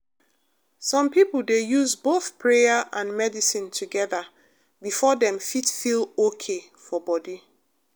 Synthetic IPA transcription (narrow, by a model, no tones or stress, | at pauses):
sɔ̃mpipl̩ˠdejuzboθpʰɹejaʔãnmɛdisĩntʰuɡɛða | bifɔdɛ̃mfitfilokʰe | fɔbɔdi